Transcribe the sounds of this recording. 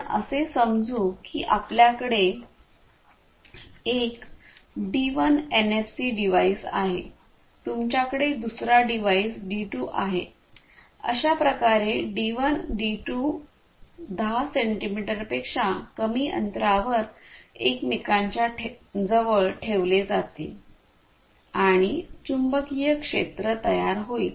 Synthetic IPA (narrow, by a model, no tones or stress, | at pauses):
ə̰sesəmd͡zuːkḭːʔapljakəɽe | ek | ɖiʋənenefsiɖiʋaisa̰ɦḛ | t̪umt͡ɕjakəɽed̪usɾaɖiʋaisɖiʈuːʔa̰ɦḛ | ə̰ɕapɾəkaɾeɖiʋənɖiʈu | d̪ʱaseɳʈimiʈəɾpekʂakəmiːʔə̰nt̪ɾaʋəɾeknikaɲt͡ɕjaʈʰd͡zəʋəɭʈʰeʋled͡zat̪ḛ | aɽ̃it͡ɕumbəkijəkʂḛt̪ɾət̪əjaɾɦoiːl